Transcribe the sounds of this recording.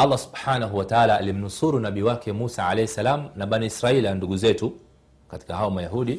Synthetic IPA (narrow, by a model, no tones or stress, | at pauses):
ɑlːasu̥bħaːnaɦuwataaːlaːlim̩nusuɾunaɓiwakɛmusaʕalɛhɛsalaːmnaɓaniisɾailanduɠuzɛtu | kati̥kahaɔmajaɦuɗi